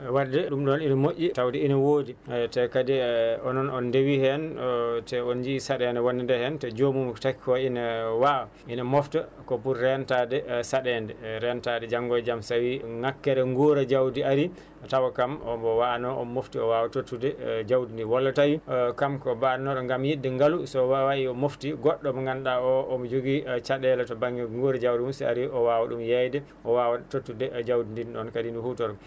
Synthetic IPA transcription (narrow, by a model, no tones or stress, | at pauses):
wadɛɗumɗɔninamoʔʲːitawdɛinawoːditɛkadiɔnɔnɔndewihɛntɛɔnd͡ʒisaɗɛndɛwonːindɛhɛntɛd͡ʒomumtaki̥kɔinawawa | inamɔftakɔpuɾːɛntadɛsaɗɛndɛɾɛntadɛd͡ʒaŋɡɔjd͡ʒamsawiŋakːɛɾɛŋɡuɾad͡ʒawdiaɾi | tawakamɔmbɔwaanɔʔɔ̰moftiɔwawatotːudɛd͡ʒawdindiwɔlːatajikamkɔbanɔɗɔŋɡamjidːɛŋɡalusɔwawaʔiɔmoftiɡɔɗːɔmɔŋɡanɗaɔʔɔmɔd͡ʒoɡit͡ʃaɗɛlɛtɔbaŋɡɛŋɡoɾad͡ʒawdiumsɛa̰ɾiɔwawaɗumjɛjdɛ | ʔɔwawatotːudɛd͡ʒawdindinɔnkadinduhutɔɾɡɔ